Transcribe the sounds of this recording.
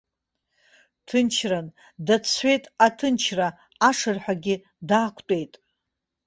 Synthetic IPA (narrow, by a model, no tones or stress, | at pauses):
tʰɨnt͡ʃʰran | dat͡sʰħʷe̞jtʼatʰɨnt͡ʃʰra | aʂɨrħʷᶣaɡʲɪ | daːkʷʰtʷʼe̞jtʼ